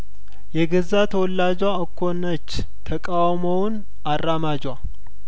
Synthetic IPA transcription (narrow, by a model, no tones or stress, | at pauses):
jɛɡɨzat̪ʰəwɔlːad͡ʒwaɨkʰːonət͡ʃː | t̪ʰəkʼawmown | arːamad͡ʒwa